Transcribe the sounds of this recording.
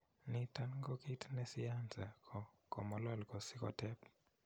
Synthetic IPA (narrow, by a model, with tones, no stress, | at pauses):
ni˨ta˦nɡɔ˦kitnɛ˦siansɛ˨kɔkɔ̰˨mɔ˦lɔ˦lkɔ˨si˦kɔ̰tɛ˦p